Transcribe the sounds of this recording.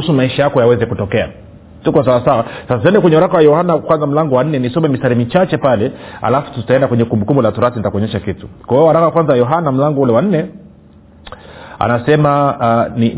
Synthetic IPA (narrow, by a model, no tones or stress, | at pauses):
usumaiʃajakɔjawɛzɛkutɔkɛa̰ | tukɔsawasawasasat̬ɛndɛkwɛɲɛwaɾakawajɔhanakwanzam̩laŋɡɔwan̩nɛnisɔmɛmisaɾimit͡ʃat͡ʃɛpalɛa̰lafu̥tutaɛndakwɛɲɛkumbukumbɔlatɔɾatinitakɔɲɛʃakitu̥kwawɛwaɾakawakwanzawajɔɦanam̩laŋɡɔulɛwan̩nɛ | a̰nasɛmaani